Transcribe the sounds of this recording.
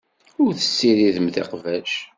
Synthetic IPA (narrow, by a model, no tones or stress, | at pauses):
ʊɾθə̥sːiɾiðəmðḛqvæʃ